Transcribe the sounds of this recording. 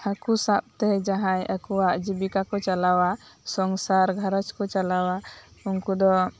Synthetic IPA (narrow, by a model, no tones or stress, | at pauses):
akusap̚t̪ɛd͡ʒaɦãjʔakɔwaʔd͡ʒibikakɔt͡ʃalawasɔŋsaɾɡʱəɾət͡ʃkɔt͡ʃalawaunkud̪ɔ